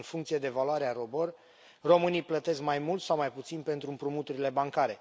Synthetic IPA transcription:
nfuŋkt̪sijed̪e̞valuaɾeaɾo̞bo̞r | ro̞mɨnijplət̪e̞skmajmult̪sawmajput̪sinpe̞nt̪ɾuɨmpɾumut̪uɾile̞baŋkaɾe̞

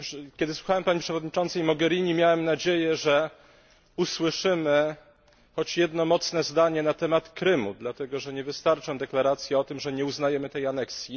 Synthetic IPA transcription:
pʂkʲɛd̪ɘswuxawɛmpaɲipʂɛvɔd̪ɲit͡ʂɔnt̪sɛjmɔɡɛɾʲiɲimʲjawɛmnad͡ʑejɛʐɛ | uswɘʂɘmɘ | xɔt͡ɕjɛd̪nɔmɔt̪snɛzd̪aɲɛnat̪ɛmat̪kɾɘmṵd̪lat̪ɛɡɔʐɛɲɛvɘst̪aɾt͡ʂɛ̃w̃d̪ɛklaɾat̪sʲjɛɔt̪ɘmʐɛɲɛuznajɛmɘt̪ɛjanɛksʲji

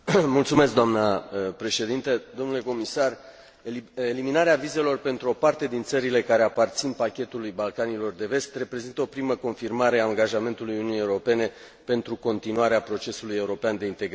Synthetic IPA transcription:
mult̪sume̞sk̚d̪oamnəpɾe̞ʃe̞d̪int̪əd̪o̞mnule̞ko̞misar | eliminaɾeavize̞lo̞rpe̞nt̪ɾuo̞part̪e̞d̪int̪səɾile̞kaɾe̞apart̪sinpakʲe̞t̪ulujbalkanilo̞rd̪e̞ve̞st̪re̞pɾe̞zint̪əo̞pɾiməko̞nfirmaɾe̞aːŋɡaʒame̞nt̪ulujununijeuɾo̞pe̞ne̞ | pe̞nt̪ɾuko̞nt̪inuaɾeapɾo̞t͡ʃe̞suluje̞uɾo̞peand̪e̞int̪eɡ

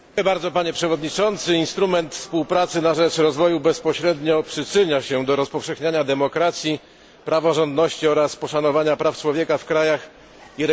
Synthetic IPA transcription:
ɛbaɾd̪ɔpaɲɛpʂɛvɔd̪ɲit͡ʂɔnt̪sɘinst̪ɾumɛnt̪fspuwpɾat̪sɘnaʐɛt͡ʂɾɔzvɔjubɛspɔɕɾɛd̪ɲɔpʂɘt͡ʂɘɲaɕɛd̪ɔɾɔspɔfʂɛxɲaɲad̪ɛmɔkɾat̪sʲji | pɾavɔʐɔnd̪nɔɕt͡ɕiɔɾaspɔʂanɔvaɲapɾaft͡ʂwɔvʲjɛkafkɾajax | iɾɛ

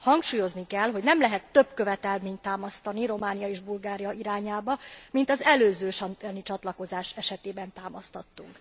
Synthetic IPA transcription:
hɒŋkʃuːjo̞znikɛlɦo̞ɟnɛmlɛɦɛt̪ːø̞bkø̞vɛt̪ɛlmeːɲt̪ːaːmɒst̪ɒniɾo̞maːnijɒeːʒbulɡaːɾijɒʔiɾaːɲaːbɒmint̪ɒzɛløːzøːʃnit͡ʃɒt̪lɒko̞zaːʃɛʃɛt̪eːbɛnt̪aːmɒst̪ɒt̪ːṵŋk

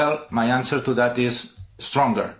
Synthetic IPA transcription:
ɛlˠmajãnsəɾt̪uðæt̪ɪzst̪ɾɔ̃ŋɡə̰˞

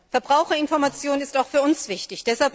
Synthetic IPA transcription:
fɛɐbʁaʊxɐɪnfɔɐmat͡sjoːnɪstaʊxfyːɐʊnsv̥ɪçtɪçd̥ɛshalp

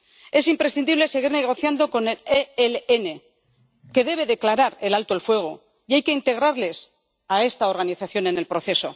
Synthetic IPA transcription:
e̞simpɾesθind̪iβle̞se̞ɣ̞iɾne̞ɣ̞o̞θjand̪o̞ko̞neleeleene̞ | ke̞ðe̞β̞e̞ðe̞klaɾaɾe̞lalt̪oelfwe̞ɣ̞o̞ | iajke̞int̪e̞ɣ̞ɾaɾle̞s | ae̞st̪ao̞ɾɣ̞aniθaθjo̞ne̞ne̞lpɾo̞θe̞so̞

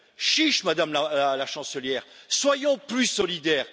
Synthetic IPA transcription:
ʃiʃmad̪amlaalaʃɑ̃səljɛːʁswajɔ̃plysɔlid̪ɛːʁ

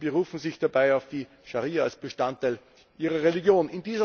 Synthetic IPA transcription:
b̥əʁuːfn̩zɪçd̥abaɪaʊfd̥iː | ʃaʁiːɐalsb̥əʃtantːaɪl | ʔiːʁɐʁeliɡjoːnɪndiːzɐ

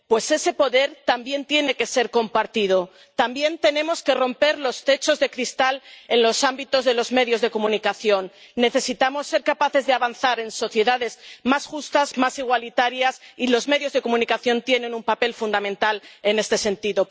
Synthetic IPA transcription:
pwe̞se̞se̞po̞ðe̞ɾt̪ambje̞nt̪je̞ne̞ke̞se̞ɾko̞mpaɾt̪ið̞o̞ | t̪ambje̞nt̪e̞nẽ̞mo̞ske̞ro̞mpe̞ɾlo̞st̪e̞t͡ʃo̞zðe̞kɾist̪ale̞nlo̞sambit̪o̞zðe̞lo̞zme̞ðjo̞zðe̞ko̞mũnikaθjo̞nːe̞θe̞sit̪amo̞sːe̞ɾkapaθe̞zðeaβanθaɾe̞nso̞θje̞ðaðe̞zmasxust̪azmasiɣ̞walit̪aɾjasilo̞zme̞ðjo̞zðe̞ko̞mũnikaθjo̞nt̪je̞nẽ̞numpape̞lfund̪amẽnt̪ale̞ne̞st̪e̞se̞nt̪iðo̞

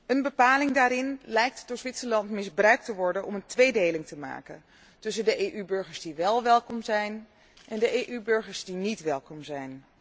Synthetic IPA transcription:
ənbəpaːlɪŋdaːɾɪnlɛjk̚tdʊːɹzʋɪtsəlɑntmɪzbrœɥk̚təʋɔɹdənɔməntʋejdejlɪŋtəma̰ːkən | tɵsəndəʔeːʔybɵɹχəɹzdiʋɛlˠʋɛlˠkɔmzɛjn | ʔɛndəʔeːʔybɵɹχəɹzdinitʋɛlˠkɔmzɛjn

